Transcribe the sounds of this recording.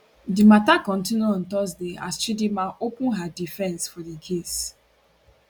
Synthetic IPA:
dimatakɔ̃n̩tinuɔ̃ntɔs̬dea̰sʃidimãʔopʊ̃nɦadifɛ̃nsfɔdikʰes

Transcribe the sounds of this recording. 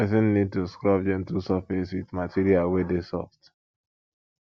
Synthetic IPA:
ɛsĩnːid̚tuskɹɔbd͡ʒɛ̃ntusɔfɛswiðmatʰiɾialwɛdesɔ̰ft

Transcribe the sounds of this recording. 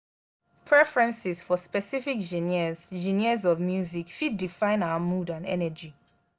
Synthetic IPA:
pʰɹɛfɹɛ̃nsiz̥fɔspɛsifikd͡ʒĩniz̥d͡ʒĩniəzɔvmjuzikfid̚difãɪ̃naʊəmudãnɛ̰nəd͡ʒi

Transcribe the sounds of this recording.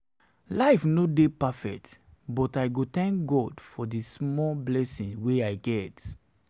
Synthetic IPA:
laɪfnodepafɛk̚tbɔtaɪɡotɛ̃ŋk̚ɡɔdfɔdismɔblɛsĩnweaɪɡɛt

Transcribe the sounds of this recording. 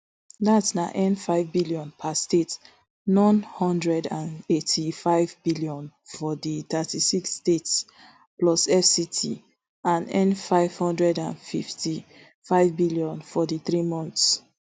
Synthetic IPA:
datsnaʔɛ̃nfaɪvbiliɔ̃npʰastet | nɔ̃nhɔ̃ndɹɛdãnetʰifaɪvbiliɔ̃nfɔditatʰisiksːtets | plɔsɛfsitʰḭ | ãnɛ̰̃nfaɪv̥hɔ̃ndɹɛdãnfiftʰi | faɪvbiliɔ̃nfɔdiθɹimɔ̃nθs

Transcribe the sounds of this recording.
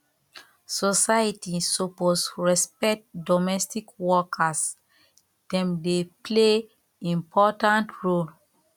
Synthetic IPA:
sosaitisoposɹɛspɛk̚tdomɛstikwɔkʰas | d̥ɛ̃mdeple | ĩmpʰɔtãntɹol

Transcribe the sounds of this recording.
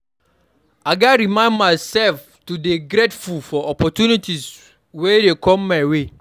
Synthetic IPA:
aɡaɾimãɪ̃ndmaɪsɛlf | tudeɡɾetfulfɔʔɔpʰɔtʰunitʰis | wedekʰɔ̃mːwe

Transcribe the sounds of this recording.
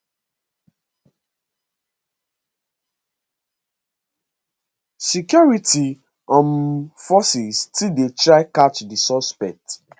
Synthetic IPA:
sikjɔɹiti | ɔ̃nfɔsistidetɹaɪkat͡ʃdisɔspɛk̚t

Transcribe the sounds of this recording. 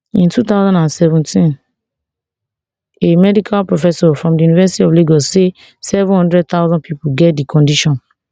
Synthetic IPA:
ĩntut̪aʊzɔ̃ndãnsɛvɔ̃ntʰĩn | emɛdikʰalpɹofɛsɔfɹɔ̃mdijunivɛsi̥tiɔfleɡɔse | sɛvũnhɔ̃ndɹɛd̚t̪awzɔ̃npʰipuɡɛt̚dikʰɔ̃ndiʃɔ̃n

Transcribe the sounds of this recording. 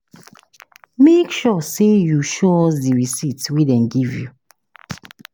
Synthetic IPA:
mekʃɔsejuʃɔsdiɹisitwidɛ̃nɡivju

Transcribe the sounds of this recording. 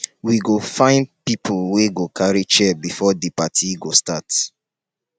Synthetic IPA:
wiɡofãɪ̃ndpipʰulweɡokʰaɹit͡ʃɛbifɔdipatʰiɡostat

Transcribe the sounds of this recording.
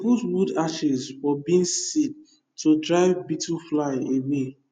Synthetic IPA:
ɡutwudaʃɛzwɔbĩĩnsid̚ | tʰodɹaɪvbitʰuflaɪewe

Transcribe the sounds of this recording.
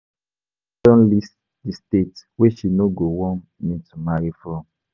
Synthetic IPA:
tɔ̃nlist | distetweʃinoɡowɔ̃n | nĩtumaɾifɔ̃m

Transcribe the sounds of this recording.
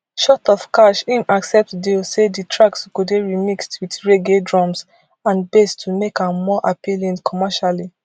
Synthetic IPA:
ʃɔtɔfkaʃĩmaksɛp̚tdeseditʰɹakskudeɹimikstwidɹeɡedɹɔ̃ms | ãnbestʰumekãmmɔʔapilĩnkʰɔmɛʃali

